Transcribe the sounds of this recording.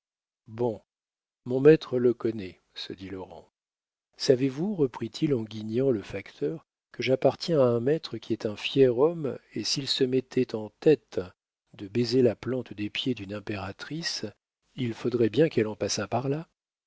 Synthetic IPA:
bɔ̃ | mɔ̃mɛt̪χələkɔnɛ | səd̪ilɔʁɑ̰̃ | savevuʁəpχit̪ʰilɑ̃ɡʲiɲɑ̃ləfakt̪ʰœʁ | kəʒapaʁt̪jɛ̃aɛ̃mɛt̪χəkʲiɛt̪ɛ̃fjɛʁɔmesilsəmɛt̪ʰɛt̪ɑ̃t̪ɛt̪ | d̪əbezelaplɑ̃t̪d̪epjed̪ynɛ̃peʁat̪χis | ilfod̪ʁɛbjɛ̃kɛlɑ̃pasapaʁla

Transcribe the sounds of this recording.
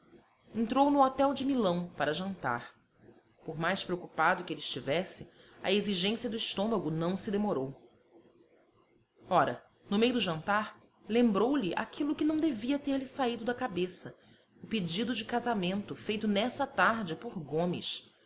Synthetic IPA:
ẽnt̪ɾownʊɔt̪ɛwd͡ʒɪmilɐ̃w̃paɾɐʒɐ̃nt̪a̰ɾ | pʊɾmajspɾeokupad̪ʊkɪelɪiːʃt͡ʃivɛsɪ | ɐ̰eziʒẽsiɐd̪ʊiʃt̪õmɐɡʊnɐ̃w̃sɪd̪emoɾow | ɔɾɐ̰ | nʊmejʊd̪ʊʒɐ̃nt̪aɾ | lẽmbɾowlɪʔa̰kʰilʊkɪnɐ̃w̃d̪eviɐt̪eɾlɪsaid̪ʊd̪ɐkabesɐ | ʊped͡ʒid̪ʊd͡ʒɪkazamẽnt̪ʊfejt̪ʊnɛsɐt̪aɾd͡ʒɪpʊɾɡõmɪ̰s

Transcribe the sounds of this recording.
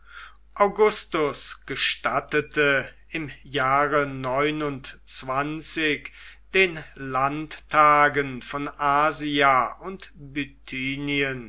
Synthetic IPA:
ʔaʊɡʊstʊsɡ̥əʃtatətʰə | ɪmjaːʁənɔʏnʊntt͡sv̥ant͡sɪçd̥eːnlantʰːaːɡənfɔnʔaːziaʔʊntbytʰiːniən

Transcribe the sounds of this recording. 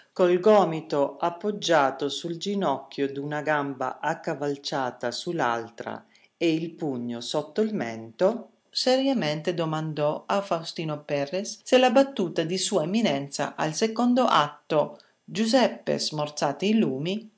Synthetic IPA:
kolɡɔːmit̪oapːod͡ʒːaːt̪osuld͡ʒinɔkːjod̪unaɡamba̰ʔakːavalt͡ʃaːt̪asula̰lt̪ɾa̰ | eilpuɲːosɔt̪ːoilmɛ̰nt̪o | seɾjament̪ed̪omand̪ɔafawst̪iːnopɛrːesːelabat̪ːuːt̪ad̪isuːaemːinɛnt̪sa̰ʔa̰lsekond̪oʔat̪ːo | d͡ʒuzɛpːḛsmort̪saːt̪eiluːmi

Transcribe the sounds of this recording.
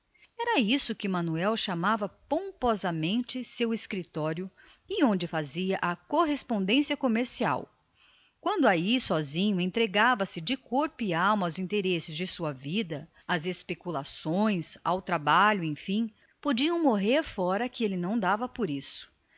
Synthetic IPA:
ɛɾɐisʊkɪmɐ̃nuɛwʃamavɐpõpɔzɐmẽnt͡ʃɪseweskɾit̪ɔɾjʊ | ɪõnd͡ʒɪfaziɐʔɐkoɦespõnd̪ẽsiɐkomeɾsia̰w | kwɐ̃nd̪ʊaisɔzĩɲʊẽt̪ɾeɡavɐsɪd͡ʒɪkoɾpʊɪawmɐawzĩnt̪eɾesɪzd͡ʒɪsuɐvid̪ɐ | ɐzespekulasõj̃sawt̪ɾabaʎʊẽj̃fĩ | pod͡ʒiɐ̃w̃moɦeɾfɔɾɐkɪelɪnɐ̃w̃d̪avɐpoɾisʊ̥

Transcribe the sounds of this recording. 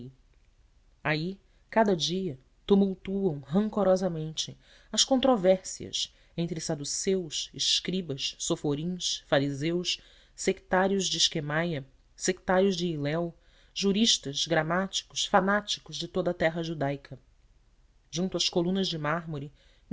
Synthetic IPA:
ai | kad̪ɐd͡ʒiɐ | t̪umuwt̪uɐ̃w̃ɦɐ̃ŋkoɾɔzɐmẽnt͡ʃɪ | ɐskõnt̪ɾovɛɾsiɐ̰s | ẽnt̪ɾɪsad̪usewsɪʃkɾibɐʃsofoɾĩʃfaɾizewʃ | sekt̪aɾiʊʒd͡ʒɪːʃkemajɐ | sekt̪aɾjʊʒd͡ʒɪːlɛw | ʒuɾiʃt̪ɐzɡɾamat͡ʃi̥kʊ̥ʃfanat͡ʃi̥kʊʒd͡ʒɪt̪od̪ɐt̪ɛɦɐʒud̪ajkʰɐ | ʒũnt̪uɐʃkolũnɐzd͡ʒɪmaɦmoɾi

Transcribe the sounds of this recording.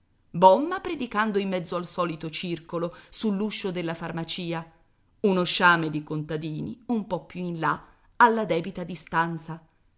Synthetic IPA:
bɔmːapɾed̪ikand̪oimːɛd̪zːoalsɔːlit̪ot͡ʃirkolosulːuʃːod̪elːafarmat͡ʃiːa | unoʃaːmed̪ikont̪ad̪iːnḭumpɔpːjuinla | alːad̪ɛːbit̪ad̪ist̪ant̪sa

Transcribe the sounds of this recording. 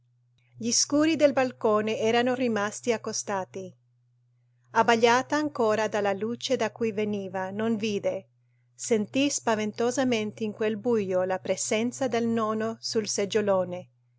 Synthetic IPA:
ʎiskuːɾid̪elbalkoːneɛːɾanorimast̪iakːost̪aːt̪i | abaʎːaːt̪aːŋkoːɾad̪alaluːt͡ʃed̪akujveniːvanonviːd̪e | sent̪ispavent̪ozament̪eiŋkwelbujolapɾezɛnt̪sad̪elnɔːnosulsed͡ʒːoloːne

